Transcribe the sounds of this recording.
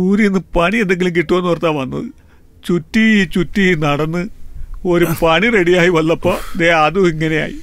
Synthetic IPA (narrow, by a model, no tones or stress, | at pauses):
uːɾienːɨpɐɳiend̪eŋɡilumk̬iʈːuonːuʋɐrt̪ːaːʋɐnːɐ̰ðɨ | t͡ɕutːit͡ɕutːinɐɽɐnːɨoɾumpɐɳire̞ɽijaːjiʋɐlːɐpːo̞ːd̪eɐðuiŋːɐne̞ja̰ːji